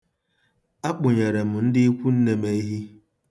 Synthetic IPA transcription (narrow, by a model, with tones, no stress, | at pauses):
a˦k͡pʊ˨ɲe˨ɾe˨m̩˨n̩˦dɪ˦i˦kʷu˦n̩˦ne˨me˦i˦ɦi˦